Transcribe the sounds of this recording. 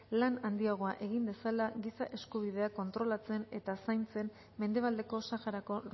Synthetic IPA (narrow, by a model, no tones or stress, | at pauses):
lanand̪iaɣ̞o̞aʔe̞ɣind̪e̞salaɣisaʔe̞skuβ̞ið̞e̞ako̞nt̪ɾo̞lat͡se̞ne̞t̪asajnt͡se̞m | me̞nd̪e̞β̞ald̪e̞ko̞saxaɾako̞